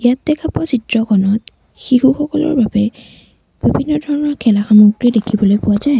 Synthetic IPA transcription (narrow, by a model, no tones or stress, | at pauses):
jatdɛkʰapɔsitɹɔkʰɔnɔt | xiɦuxɔkɔlɔ̰ɹbabɛ | b̥ibʱinːɔdʱɔɹɔnɔɹkʰɛlaxamuɡɹiɛdekʰibɔlojpʊwazaj